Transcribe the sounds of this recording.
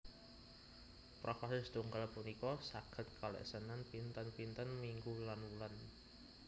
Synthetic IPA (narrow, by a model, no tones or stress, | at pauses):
pɾʔɔfasɪst̪uŋɡəlpunikɔsaɡ̥ə̤t̪̚kʰalɛ̰ʔsənanpint̪ənpint̪ənmiŋɡulanwulan